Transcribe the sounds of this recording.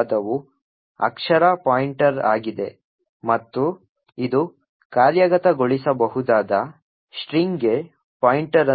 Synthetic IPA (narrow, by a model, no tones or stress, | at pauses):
d̪ɐʋu | ɐ̰kʂɐɾapaːjiɳʈɐɾa̰ːɡid̪e̞ | mɐt̪ːu | id̪u | kaːɾjɐɡɐt̪ɐɡoɭisɐbɐɦud̪aːd̪ɐ | sʈɾiŋɡe | paːjiɳʈɐɾɐ